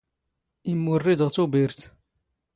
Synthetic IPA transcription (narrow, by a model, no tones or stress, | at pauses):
imːʊrːid̪əʁt͡sːubiɾt̪